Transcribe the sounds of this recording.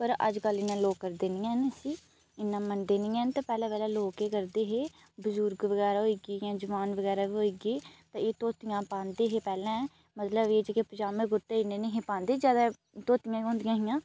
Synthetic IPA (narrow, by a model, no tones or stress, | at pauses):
pəɾə̰d͡ʒkəlɪnːãːloːkːəɾd̪eːnɪjãːnesiː | ɪnːãːməɳɖeːnɪːɛ̃ːnt̪ãːpɛːlãːʋɛːlɛ̃ːloːkeːkəɾd̪eːɦeː | bʊzʊɾɡʋəɡɛːɾaːɦoiːɡiːjãːd͡ʒəʋaːnʋəɡɛːɾaːʋiːɦoːiːɡeːt̪ãːeːt̪oːt̪ɪjãːpãːnd̪eːɦeːpɛːlãː | mət̪ləbeːd͡ʒeːkepəd͡ʒaːmẽːɡʊɾt̪eːɪnːeːneɦẽːpãːnd̪eːd͡ʒjaːd̪aː | t̪oːt̪ɪjãːɦʊ̃ːnd̪ɪjãːɦɪjãː